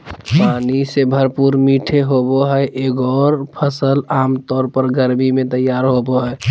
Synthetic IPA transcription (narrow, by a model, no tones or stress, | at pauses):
panisebʱəɾpuɾmiʈʰeɦoboɦəʔeɡɔɾpʰəsəlamt̪ɔːɾpəɾɡəɾmimẽt̪əjːaɾɦoboɦə